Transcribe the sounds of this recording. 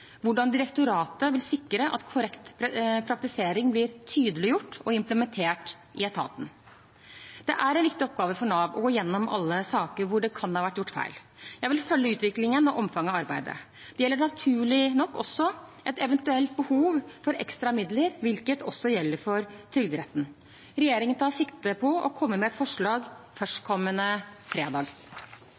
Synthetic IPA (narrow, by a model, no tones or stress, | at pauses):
ʋʊɖɑnd̪ɪɾəkt̪ʊɾɑːt̪əʋɪlsɪkːɾəʔɑ̰t̪kʰʊɾɛkt̪ppʰɾɑk̚t̪ɪseːɾɪŋblɪɾt̪ʰyːd̪əlɪjʊʈːɔɪmpləmɛnt̪ʰeːʈ | ʔɪɛt̪ʰɑ̰ːt̪n̩ | d̪̥ɛʔæɾɛnʋɪkt̪ɪɔp̚ɡɑːʋəfɔɳɑːʋɔ̰ɡoːɪjɛnːɔmɑ̰lːəsɑːkəɾʋʊɖɛkʰɑnhɑːʋæʈːjʊʈːfæ̰ɪl | jæɪʋɪlfœlːəʉːt̪ʋɪklɪŋənɑʔɔmfɑŋːɑʋɑɾbæɪd̪ə̰ | d̪̥ɛjɛlːəɳɑt̪ʰʉːɭɪnɔkːɔsːɔʔɛt̪ɛʋənt̪ʉɛlt̪̚bəhuːʋfɔɾɛ̰kst̪ɾɑmɪd̪ləɾʋɪlkət̪ɔsːɔjɛlːəɾfɔɾt̪ʰɾʏɡd̪əɾɛt̪ːn̩ | ɾɛjeːɾɪŋənt̪ʰɑːɾsɪkt̪əpʰɔʔɔ̰kʰɔmːəmɛɛt̪fɔʂɭɑːɡfœʂʈkʰɔmːənəfɾeːd̪ɑːɡ